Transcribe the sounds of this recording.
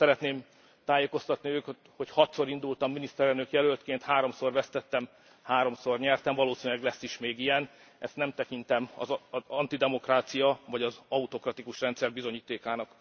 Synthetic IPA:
ɛɾɛt̪neːm | t̪aːjeːko̞st̪ɒt̪niøːk | ho̞chɒt̪so̞ɾind̪ult̪ɒmːinist̪ɛɾɛlnøkjɛløːlt̪keːnt̪haːɾo̞mso̞rvɛst̪ɛt̪ːɛm | haːɾo̞mso̞rɲɛrt̪ɛmvɒloːsiːnylɛɡlɛsːiʃmeːɡijɛn | ʔɛst̪nɛmt̪ɛkint̪ɛmɒ̰zɒnt̪id̪ɛmo̞kraːt̪sijɒvɒɟɒzɒut̪o̞krɒt̪ikuʃrɛnt̪sɛrbizo̞ɲiːt̪eːkaːnɒk

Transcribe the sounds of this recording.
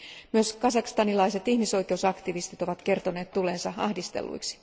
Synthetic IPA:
myøskɑsɑkst̪ɑnilɑjse̞t̪ihmiso̞jke̞usɑkt̪iʋist̪it̪o̞ʋɑt̪ke̞rt̪o̞ne̞ːt̪t̪ːule̞ːnsɑɑhdist̪e̞̰lːṵjksi̥

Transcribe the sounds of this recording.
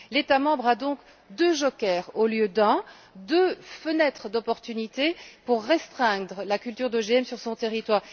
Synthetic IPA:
let̪amɑ̃bʁad̪ɔ̃k | d̪øʒɔkɛːʁoljød̪ɛ̃ | d̪øfənɛt̪χəd̪ɔpɔʁt̪ynit̪epuʁːɛst̪χɛ̃d̪ʁəlakʲylt̪yʁd̪əʒeɛmsyʁsɔ̃t̪eʁit̪waːʁ

